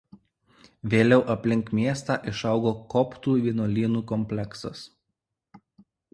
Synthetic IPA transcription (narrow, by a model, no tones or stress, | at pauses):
ʋʲeːlʲɛʊʔɐpʲlʲɪŋˑkmʲiɛst̪ɑːˑʔɪʃɐʊɡoːkɔpt̪uːʋʲiɛnoːlʲiːnuːkɔmʲpʲlʲɛksɐs